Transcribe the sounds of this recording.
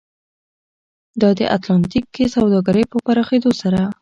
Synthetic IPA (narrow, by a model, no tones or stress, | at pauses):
d̪ɑd̪əʔa̰t̪lɑnt̪ikːesawd̪ɑɡaɾəjpəpaɾɑxed̪osaɾa